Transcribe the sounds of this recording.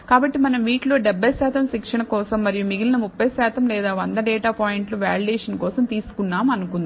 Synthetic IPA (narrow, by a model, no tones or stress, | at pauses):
kaːbɐʈːimɐnɐmʋiːʈlo̞ːɖɛbːɐjsaːt̪ɐmʃikʂɐɳɐkɔːsɐmːɐɾijumiɡilɐlɐmupːɐjsɛːt̪ɐmlɛːd̪aːʋɐnd̪ɐɖɛːʈaːpaːjiɳʈloʋa̰ːliɖɛːʂɐnkɔːsɐmt̪iːsu̥kunːaːmɐnukund̪ii